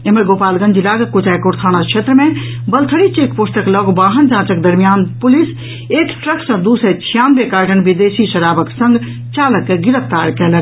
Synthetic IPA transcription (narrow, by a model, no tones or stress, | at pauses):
emɐɡoːpaːlɡɐ̃nd͡ʒʱilaːɡɐkot͡ʃaːjkoɾt̪ʰaːñakʰʃʰeːt̪ɾəmẽ | bɐlt̪ʰəɽit͡ʃeːkposʈəklɔɡbaːɦɐnd͡ʒãːt͡ʃɐk̚d̪ɐɾmijaːnpʊlis | eːkʈɾɐksɐ̃d̪uːset͡ʃʰijãːnbeːkaːɾʈɐnʋid̪eːsiʃɐɾaːbɐksɐ̃ŋɡ | t͡ʃaːlɐkːeɡɪɾəft̪aːɾkɛlɐn